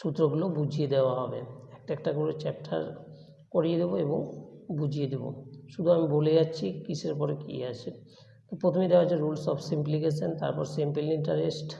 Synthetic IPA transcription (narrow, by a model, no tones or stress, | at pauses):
ʃut̪ːɾoɡulobud͡ʑʱijed̪eoaɦɔbḛɛk̚ʈaɛk̚ʈakoɾet͡ɕɛp̚ʈʰa̰ɾ | koɾijed̪eboeboŋbud͡ʑʱijed̪ebo̰ʃud̪ʱuamiboled͡ʑat͡ɕːɕʰikit͡ɕʰeɾpɔɾekḭat͡ɕʰen | t̪opɾot̪ʰomid̪ead͡ʑʰeɾulsɔpʰsimplikesʰent̪a̰ɾpɔɾsempeliɳʈaɾesʈ